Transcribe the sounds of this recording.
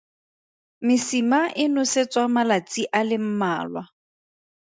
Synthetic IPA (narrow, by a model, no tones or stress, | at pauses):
mɪsimaʔɪnʊset͡sʼwamalat͡sʼiʔalɪm̩maːlwa